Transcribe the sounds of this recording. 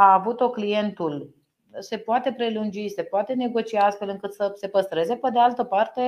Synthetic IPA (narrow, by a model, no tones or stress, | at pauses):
aːvut̪o̞klije̞nt̪ul | se̞poat̪e̞pɾe̞lund͡ʒise̞poat̪e̞ne̞ɡo̞t͡ʃiast̪fe̞lɨŋkɨt̪səse̞pəst̪ɾe̞ze̞pe̞d̪e̞alt̪əpart̪e̞